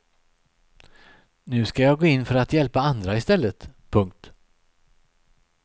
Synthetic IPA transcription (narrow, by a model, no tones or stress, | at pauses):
nʉ̟ːskajɑːɡoːɪnːfœɾat̪jɛlpaand̪ɾaɪst̪ɛlːət̪pʰɵŋk̚t̪